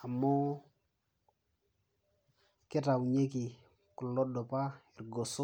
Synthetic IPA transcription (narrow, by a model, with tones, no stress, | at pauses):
a˨mːɔ˦ | kɪ˦ta˨wɲe˦ki˨ | kʊ˨lːɔ˦dɔ˨pa˦ɪ˨rɡo˨sʊ˦